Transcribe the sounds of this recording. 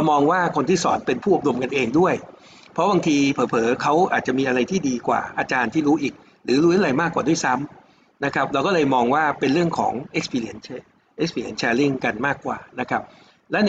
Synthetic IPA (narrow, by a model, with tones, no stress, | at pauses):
ɾa˧wmɔː˧ŋwaː˥˩kʰo˧nt̪ʰiː˥˩sɔ̰ː˩˦npe˧npʰuː˥˩˨do˧mka˧nʔeː˧ŋdu˥˩əj | pʰɾɔ˦˥baː˧ŋt̪ʰiː˧pʰɤː˩˦pʰɤː˩˦kʰa˦˥wʔa̰ː˨˩t̪̚t͡ɕa˨˩ʔmiː˧ʔa˧ɾa˧jt̪ʰiː˥˩diː˧kwa̰ː˨˩ʔaː˧t͡ɕaː˧nt̪ʰiː˥˩ɾuː˦˥ʔiː˨˩k̚ | ɾɯː˩˦ɾuː˦˥t̪ʰɾa˧jmaː˥˩kːwaː˨˩du˥˩əjsa˦˥m | na˦˥kʰɾa˦˥p̚ɾa˧wkɔ˥˩lɤː˧jmɔː˧ŋwaː˥˩pe˧nɾɯ˥˩əŋkʰɔ̰ː˩˦ŋʔe˦˥k̚spʰi˧li˦˩ə˦nt͡ɕʰ | ʔe˦˥k̚spʰiː˧li˧˦˩nt͡ɕʰɛː˧li˥˩ŋka˧nmaː˥˩kːwa̰ː˨˩na˦˥kʰa˦˥p̚ | lɛ˦˥n